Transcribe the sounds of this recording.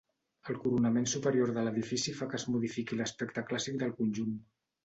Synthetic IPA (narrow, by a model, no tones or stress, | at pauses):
əlˠkuɾunəmensupəɾijoɾðələðifisifakəːzmuðifikiləspɛkt̪əklasik̚d̪əlˠkunʲʒun